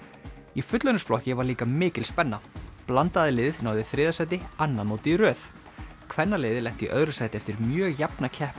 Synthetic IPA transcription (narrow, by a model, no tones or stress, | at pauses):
ifʏt̪lœnʏsflɔhcɪvaɾliːkamɪːcɪlspɛnːaplant̪aðɪlɪːðnaːwðɪθɾɪːðasajt̪ɪanːamoːwt̪irœːθ | kʰvɛnːaleːjðɪlɛjht̪iʔœðɾʏsaːjt̪ɪɛft̪ɪɾmjœːɣjapnacʰɛhp